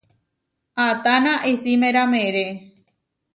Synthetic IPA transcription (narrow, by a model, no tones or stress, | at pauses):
at̪anãʔesimẽɾamẽɾe